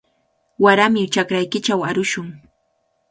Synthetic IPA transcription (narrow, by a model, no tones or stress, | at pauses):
waɾamɪt͡ʃakɾajkɪt͡ʃawaɾʊʃʊŋ